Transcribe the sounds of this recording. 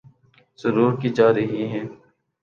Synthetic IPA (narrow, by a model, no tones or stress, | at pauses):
zəɾuːɾkid͡ʒaːɾəɦiɦɛ̃ː